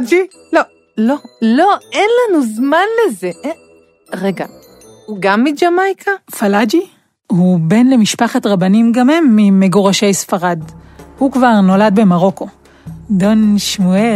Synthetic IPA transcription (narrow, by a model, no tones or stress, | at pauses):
d͡ʒi | lo | lolo̞enlanuzmanlezeʔ | ʁeɡa | uɡamːid͡ʒamajkʰafalad͡ʒi | hube̞nle̞miʃpaχatʁabanimɡamhemːimeɡoʁaʃe̞jsfaʁadhukvaʁno̞lad̚be̞maʁo̞ko̞ | donʃmue